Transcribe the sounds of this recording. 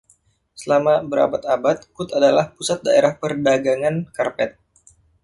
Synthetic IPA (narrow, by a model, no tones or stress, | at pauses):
səlamabəɾa̰bat̪abat̪̚kʊt̪adalahpusat̪̚daeɾahpərdaɡaŋankarpɛt̪̚